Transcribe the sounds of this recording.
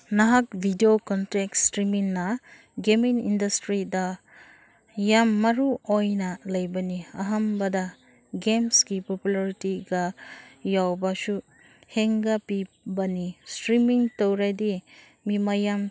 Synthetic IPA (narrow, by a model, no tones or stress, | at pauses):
nɐɦak̚bʱidiokɔntek̚stɾimiŋnɐ | ɡemiŋindɐstɾidɐ | jamːɐɾuojnɐlɐjbɐniɐɦɐmbɐdɐ | ɡemsɡipopulaɾitiɡɐjawbɐsu | heŋɡɐpi | bɐnistɾimiŋtowɾajdi | mimɐjam